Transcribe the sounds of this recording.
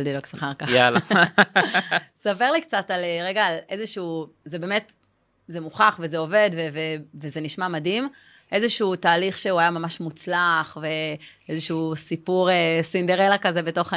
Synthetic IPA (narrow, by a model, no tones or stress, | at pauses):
ldiloksaχaʁkaal | sapeʁlikt͡sataleʁeɡaːle̞zeʃuː | zebe̞ːmet | zemuχaχvezeo̞ve̞d̪vevevezeniʃmamadim | ʔe̞zeʃuuːtaːliχʃeuajamamaʃmut͡slaχve̞ezeʃusipuʁesind̪eʁelakazebeto̞χa